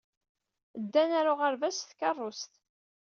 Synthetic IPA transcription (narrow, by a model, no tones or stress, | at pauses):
əd̪ːænæɾʊʁəɾvæsθkɑrˤːost̪